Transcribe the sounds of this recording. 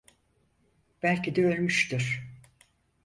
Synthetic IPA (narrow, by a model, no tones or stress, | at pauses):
b̥ælʲcid̪ɛølʲmyʃt̪iɾ̥